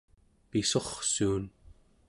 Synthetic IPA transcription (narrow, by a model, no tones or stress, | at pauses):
piso̞χsuːn